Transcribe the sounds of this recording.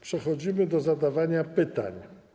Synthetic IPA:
pʂɛxɔd͡ʑimɘd̪ɔzad̪avaɲapɘt̪a̰ɲ

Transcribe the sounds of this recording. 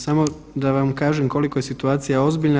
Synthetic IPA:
samo̞ | d̪aʋamkaːʒemko̞liko̞je̞sit̪uaːt̪sijao̞zbiːʎna

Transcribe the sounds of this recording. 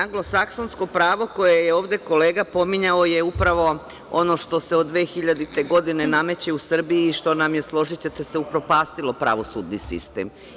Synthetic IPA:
aŋɡlˠo̞sakso̞nsko̞pɾaːʋo̞ko̞jejeo̞ːʋd̪e̞ko̞le̞ːɡapo̞miɲao̞jeupɾaʋo̞ | o̞̰no̞ʃt̪o̞seod̪d̪ʋe̞ːxiʎad̪it̪e̞ɡo̞d̪ine̞name̞t͡ɕe̞usr̩biiːʃt̪o̞namje̞slˠo̞ʒit͡ɕe̞t̪ese̞upɾo̞paːst̪ilˠo̞pɾa̰ʋo̞sṵːd̪nisḭst̪ḛm

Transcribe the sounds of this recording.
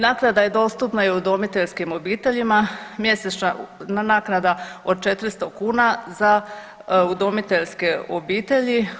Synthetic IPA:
naːknad̪aje̞d̪o̞ːst̪upnajeud̪omit̪eʎskimo̞biːt̪e̞ʎimamje̞sesnananaːknad̪ao̞d̪̚t͡ʃet̪ɾist̪okuːnaza | ud̪omit̪e̞ʎske̞obiːt̪e̞ʎi

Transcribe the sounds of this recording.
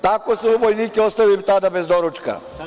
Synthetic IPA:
t̪akoseubojniːkeost̪aʋilimt̪ad̪abezd̪oɾut͡ʃka̰

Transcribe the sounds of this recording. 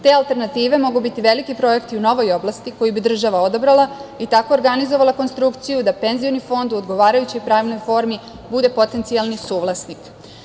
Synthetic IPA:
t̪e̞alt̪e̞ɾnat̪iːʋe̞mo̞ɡubit̪iʋe̞likipɾo̞e̞kt̪iuno̞ʋo̞jo̞blˠast̪iko̞jibid̪r̩ʒaʋao̞d̪obɾalˠait̪ako̞ːɾɡanizoʋalako̞nst̪ɾukt̪sijud̪ape̞nzionifo̞nd̪uod̪ɡo̞ʋaːɾajut͡ɕo̞jpɾaːʋno̞jfo̞ɾmi | bud̪e̞po̞t̪e̞nt̪sialˠnisuːʋlˠasnik

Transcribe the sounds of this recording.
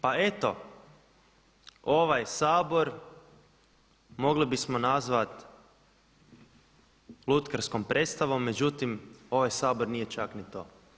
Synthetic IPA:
pae̞t̪o̞ | o̞ʋajsaːbo̞ɾ | mo̞ɡlibismonazʋat̪ | lˠut̪kaɾsko̞mpɾʔet̪st̪aʋo̞mːe̞d͡ʒut̪imo̞ʋajsaːboɾnije̞t͡ʃaknit̪o̰

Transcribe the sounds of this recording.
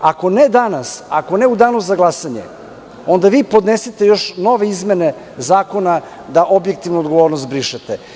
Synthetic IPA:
ako̞ned̪anasako̞neud̪aːnuzaɡlˠasaɲḛ | o̞nd̪aʋiːpo̞d̪neset̪ejo̞ʃno̞ʋeizmene | zaːko̞na | d̪aʔo̞bjek̚t̪iʋnuod̪ɡo̞ʋo̞ːɾnost̪̚bɾiʃet̪e

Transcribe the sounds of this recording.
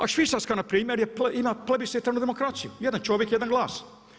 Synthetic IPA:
a̰ʃʋisaskanapɾiːmeɾjepimaplebiset̪anud̪emokɾat̪sijṵjɛd̪ant͡ʃoʋjekjed̪anɡlˠaːs

